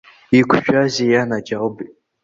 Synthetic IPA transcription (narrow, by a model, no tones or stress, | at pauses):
ikʷʰʃᶣazijanad͡ʒawbi